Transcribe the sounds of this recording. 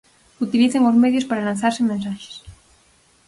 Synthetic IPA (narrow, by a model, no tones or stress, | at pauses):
ut̪iliθeŋozmeðjospaɾalanθaɾsemẽnsaxe̥s